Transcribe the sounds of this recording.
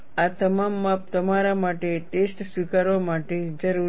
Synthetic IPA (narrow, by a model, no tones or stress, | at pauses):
at̪əmamːap̚t̪əmaɾamaʈeʈesʈsʋikaɾʋamaʈed͡ʒəɾu